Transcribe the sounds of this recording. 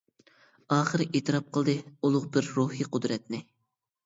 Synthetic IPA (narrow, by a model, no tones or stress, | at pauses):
ɑːχəɾɨʔeːt̪ʰɨɾɑp̚qʰəlˠd̪ɨulˠʊqbɪɾːuhiːqʰʊd̪ɾɛt̪nɪ